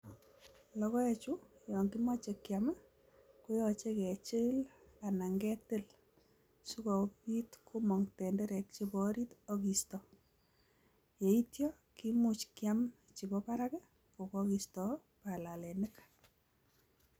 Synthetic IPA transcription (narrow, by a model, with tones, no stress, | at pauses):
lɔ˦kɔ˦e˦t͡ʃu˦jɔ˨ŋɡimɔ˦t͡ʃe˨kjama˦ | ku˦jɔt͡ʃe˦kɛ˨t͡ʃɪ˦l | a˨na˨ŋɡɛ˦tɪ˦l | su˦kɔ˨i˦tkʰu˦mɔ˨ŋtɛ˨ndɛɾɛ˨k̚t͡ʃi˦bɔɾi˦tɔki˨stɔ | je˨i˦tjɔ˦ | ki˦mut͡ʃkjam | t͡ʃi˨bɔpa˦ɾakɛ˦ | po˨kɔkistɔ˨ | pa˨la˨lɛ˨nɪk